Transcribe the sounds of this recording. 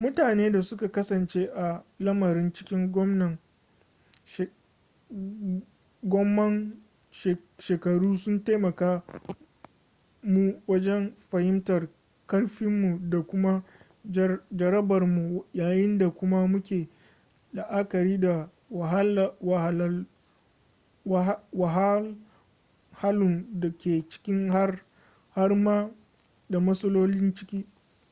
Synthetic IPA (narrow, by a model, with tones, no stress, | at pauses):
mʊ˦taː˨neː˦da˨sʊ˦ka˨kɐ˦sɐ˨nt͡ʃeː˦ʔa˨lɐ˦mɐ˨ɾɪ˦nt͡ʃɪ̥˦kʲɪ˦ŋɡʷɔ˦mnɐ˨ŋ | ʃ | ɡʷɔ˦mːɐ˦ŋ | ʃʃeː˨kɐ˨ɽuː˦sʊ˦nta˦mɐ˨kaː˦ | mu˦wɐ˦d͡ʒɛ˦mɸɐ˨hɪ˦mtɐ˨r | kɐ˦rɸɪ˦mːu˨da˨kʷʊ˦ma˦ | d͡ʒɐ˨ɾɐ˦bɐ˨rmu˨˦jaː˨jɪ˦nda˨kʷʊ˦ma˦mʊ˦kʲeː˨ | la˨ʔa˦kɐ˨ɾiː˦da˨ | wa˨ɦa˦lwa˨ha˨lɐ˦ | wa˨ɦa˦l | ha˦lʊ˨nda˨kʲeː˨t͡ʃɪ̥˦kʲɪ˦ŋha˦r | ha˦rmaː˦ | da˨mɐ˦sɐ˦loː˦lɪ˦nt͡ʃɪ̥˦kʲiː˦